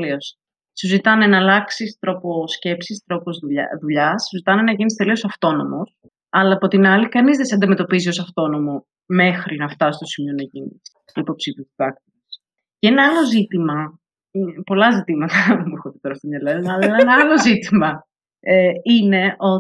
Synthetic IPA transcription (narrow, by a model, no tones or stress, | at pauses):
lios | suzit̪ɐnenɐlɐksist̪ɾo̞posce̞psist̪ɾo̞po̞zðuʎ̰ðuʎɐssuzit̪ɐnenɐʝinist̪e̞lio̞sɐft̪o̞no̞mo̞s | ɐlɐːpo̞t̪inɐlikɐnizðesɐnd̪ime̞t̪o̞pizio̞sɐft̪o̞no̞mo̞ | me̞xɾinɐft̪ɐsist̪o̞simio̞nɐʝinḭs | po̞psit̪uiðɐk̚t̪iis | cenɐɐlo̞zit̪imɐ | po̞lɐzit̪imɐt̪ɐmuexot̪it̪eɾɐst̪omɲɐlennɐɐlɐeenɐɐlo̞zit̪imɐ | eine̞ʔo̞